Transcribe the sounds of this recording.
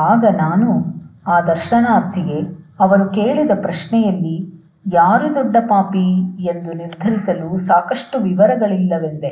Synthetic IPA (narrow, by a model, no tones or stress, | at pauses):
aːɡɐnaːnuaːd̪ɐɾʃɐnaːɾt̪ʰiɡe̞ɐʋɐɾukeːɭid̪ɐpɾɐʃnɛjɐlːi | jaːɾud̪ɔɖːɐpaːpie̞nd̪uniɾd̪ʱɐɾisɐlusaːkɐʂʈuʋiʋɐɾɐɡɐɭilːɐʋend̪e